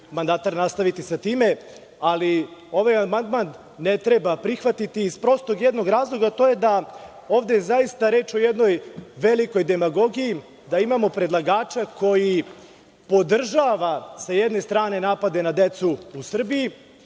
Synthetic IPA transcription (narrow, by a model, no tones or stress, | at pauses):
mand̪at̪aɾnast̪aʋit̪isat̪iːme̞ | alio̞ʋajamand̪man | ne̞t̪ɾe̞bapɾixʋat̪it̪iːzpɾo̞st̪oɡjed̪no̞ɡɾaːzlˠo̞ɡat̪o̞je̞d̪a | oːvd̪ezajist̪aɾe̞ːt͡ʃo̞jed̪no̞jʋe̞liko̞jd̪e̞maɡo̞ɡiji | d̪aimamo̞pɾe̞d̪lˠaɡaːt͡ʃakʰo̞ji | po̞d̪r̩ʒaʋasajed̪ne̞st̪ɾaːne̞naːpad̪e̞nad̪e̞t̪suusr̩biji